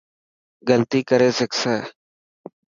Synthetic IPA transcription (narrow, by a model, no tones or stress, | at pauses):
ɡəlt̪iːkəɾeːsəksəː